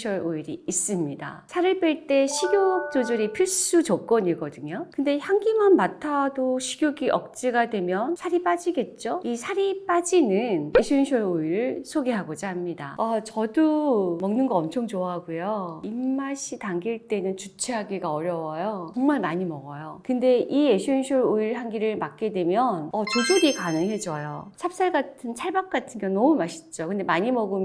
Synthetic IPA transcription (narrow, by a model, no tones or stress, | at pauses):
ɕʰʌɾoiɾiːs͈ɯmɲida̰sʰaɾɯɭp͈eɭt͈e̞ɕʰiɡjok̚t͡ɕ͈od͡ʑɯɾipʰiɭs͈ud͡ʑok͈ʌɲiɡʌdɯɲokɯnde̞çjaŋɡimanmatʰadoɕʰiɡ̥ʲjoɡiʔʌk̚t͡ɕ͈iɡadwe̞mjʌnsʰaɾip͈ad͡ʑiɡe̞t̚t͡ɕ͈oisʰaɾip͈ad͡ʑinɯneɕʰinɕʰʌɾoiɾɯɭsʰoɡeɦaɡod͡ʑaɦmɲida̰at͡ɕʌdomʌŋnɯnɡʌʌmt͡ɕʰoŋt͡ɕoaɦaɡujoimːaɕʰitaŋɡiɭt͈e̞nɯnt͡ɕut͡ɕʰeɦaɡiɡaʌɾjʌwʌjot͡ɕʌŋmaɭmaɲimʌɡʌjokɯnde̞ieɕʰiinɕʰoɾoiɭɦanɡiɾɯɭmak̚k͈e̞dwe̞mjʌnʌt͡ɕod͡ʑoɡikanɯŋɦe̞d͡ʑʌjo̰t͡ɕʰap̚s͈aɭɡatʰɯnt͡ɕʰaɭbak̚k͈atʰɯnɡjʌŋnʌmumaɕʰi̥t͡ɕ͈okɯnde̞maɲimʌɡɯm